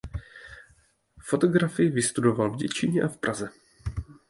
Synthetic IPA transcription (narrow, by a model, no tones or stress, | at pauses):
fo̞t̪o̞ɡɾafɪjɪvɪst̪udo̞valvɟɛt͡ʃɪɲɛʔafpɾʔazɛ